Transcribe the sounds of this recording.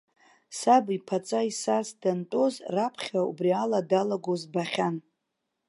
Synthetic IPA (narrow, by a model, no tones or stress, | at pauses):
sabipʰat͡sʼaisasdantʼo̞zrapʰχʲaṵbrialadalaɡozbaχʲan